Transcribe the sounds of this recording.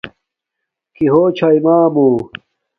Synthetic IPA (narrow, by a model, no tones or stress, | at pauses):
kiɦoːt͡ɕʰaimaːmuː